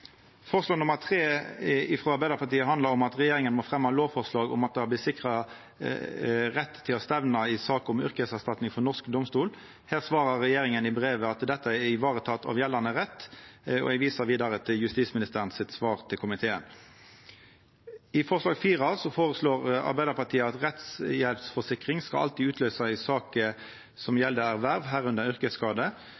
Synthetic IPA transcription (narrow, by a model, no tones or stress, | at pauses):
fɔʁəslɑːnʊməʁt̪ʰʁeːɪfʁoːɑɾbæɪd̪əɾpʰɑʁt̪iːəɦɑnd̪ɑɾɔmɑt̪ʁɛjeːɾɪŋənmɔːfʁɛmːhɑloːʋfɔʁslɑːɡɔ̰mɑt̪̚d̪ɛhɑblɪt̪sɪkʁɑ | ʁɛt̪ʰːɪlɔst̪ɛʋnɑɪsɑːkɔmʏ̰ʁkəəsæʁst̪ɑt̪nɪŋfɔʁnɔʁskd̪ɔmst̪uːl | hæːʁsʋɑːʁɑʁʁɛjeːʁɪŋənɪbʁeːʋəɑt̪d̪ɛt̪ːəæɪʋɑːʁət̪ʰɑt̪ʰːɑ̰ʋjɛlːɑnəʁɛt̪ːɔ̰ɛɡʋiːsəʁʋiːd̪ɑʁət̪ʰɪljʉst̪iːsmɪnɪst̪əʁənsɪt̪sʋɑːʁt̪ʰɪlkʰʊmɪt̪ʰeːən | ɪfɔʁslɑːɡfiːʁɑsɔfoːʁəsloːʁɑ̰ʁbæɪd̪əʁpɑt̪ʰiːəɑt̪ʁɛt̪sjɛlpsfɔsɪkʁɪŋskɑʔɑ̰lt̪iːʉːt̪ʰløːsɑɪsɑːkə | sɔmjɛld̪əæʁʋæʁʋɦæːʁʉnd̪əʁʏʁkəskɑːd̪ə